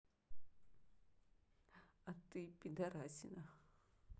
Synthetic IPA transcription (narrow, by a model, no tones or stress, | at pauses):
at̪ipind̪aɾasina